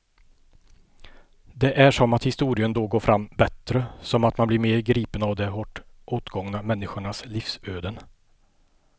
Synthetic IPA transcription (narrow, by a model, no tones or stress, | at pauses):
d̪ɛʔæʂɔmat̪hɪst̪uːɾɪənd̪oːɡoːɾfɾʔamːbɛt̪ɾəsɔmat̪manblɪɾmeːɾɡɾiːpənavd̪ɛhɔʈːʔoːt̪ɡɔŋnamɛnːɪɧʊɳasliːfsøːd̪ən